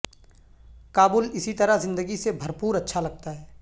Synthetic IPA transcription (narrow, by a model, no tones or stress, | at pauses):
kaːbuːlɪsit̪ɐɾazɪ̃nd̪əɡisebʱɐɾpuːɾɐtːʃʰalɐɡ̚t̪aɦɛː